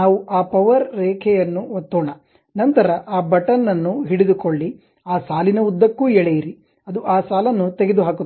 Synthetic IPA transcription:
naːʋuʔaːpɐʋɐɾːɛːkʰɛjɐnːuʋot̪ːɔːɳɐ | nɐnt̪ɐɾɐʔaːbɐʈɐnːɐnːuɦiɽid̪ukoɭːi | aːsaːlinɐud̪ːɐkːuːɛɭejiɾi | ɐd̪uʔaːsaːlɐnːut̪eɡed̪uɦaːku

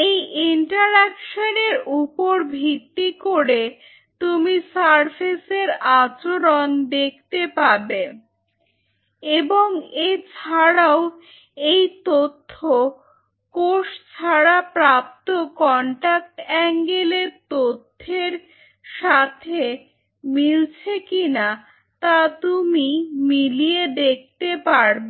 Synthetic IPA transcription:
ejiɳʈaɾɛkʃoneɾupoɾbʱit̪ːikoɾe | t̪umisaɾpʰeseɾat͡ɕoɾond̪ek̚ʰt̪epaɾbe | eboŋet͡ɕʰaɽao | ejt̪ot̪ʰːo | koʃt͡ɕʰaɽapɾap̚t̪okɔɳʈak̚ʈɛŋɡelet̪ot̪ʰːeɾ | ʃat̪ʰe | milt͡ɕʰekina | t̪at̪umimilied̪ek̚ʰt̪epaɾbo

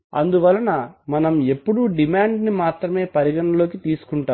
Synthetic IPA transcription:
ɐnd̪uʋɐlːɐnɐmɐnɐme̞pːuɽuɖimaːɳɖnimaːt̪ɾɐme̞ːpɐɾiɡɐɳɐlo̞ːkit̪iːsu̥kuɳʈaːm

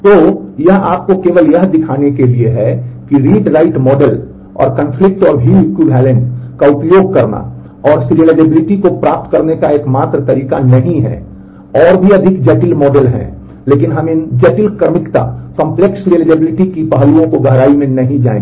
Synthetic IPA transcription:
t̪ojɐɦaːp̚kokeːʋəljɐɦd̪ɪkʰaːnekelieɦɛkiɾiːʈɾaːɪʈmɔːɖəl | ɔ̰ːɾkə̃nfʰlɪk̚ʈɔːɾɦiːkuɖʱɛːlə̃nkaʊpjoːɡ̚kɐɾna̰ | ɔːɾsɾiəlad͡ʒəbɪlɪʈikopɾaːp̚t̪kɐɾnekaeːkmaːt̪ɾət̪ɐɾiːka̰nɐɦĩɦɛ̰ | ɔːɾbʱiɐd̪ʱɪkd͡ʒɛːʈɪlmɔːɖəlɦɛ̰̃ | leːkɪnɦɐmɪ̃d͡ʒeːʈɪlkəɾmɪkt̪a̰kə̃mpleksɾiəlaːd͡ʒəbɪlɪʈikipəɦluõkoɡʱəɦɾaːimẽnɐɦĩd͡ʒa̰ːḛ̃ɡ

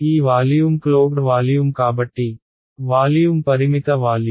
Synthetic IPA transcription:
iːʋaːlijumkloːkɖʋaːljumkaːbɐʈːi | ʋaːljumpɐɾimit̪ɐʋaːlj

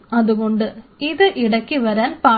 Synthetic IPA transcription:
ɐðɯɣɔɳɖɯɪðɯʔɪɽɐkːiʋɐɾaːlpaː

